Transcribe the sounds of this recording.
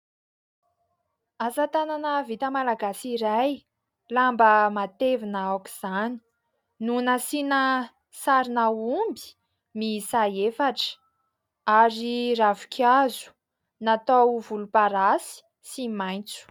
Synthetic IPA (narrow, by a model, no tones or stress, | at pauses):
azat̪ananəvit̪əmalaɡasiɾaj | lambəmat̪evinəawku̥z̥ani̥ | nunasinə | saɾinaumbi̥ | misaefaʈ͡ʂə̥ | aɾiravukʲʰazu̥ | nat̪awvulupaɾasi̥ | simajnt͡su̥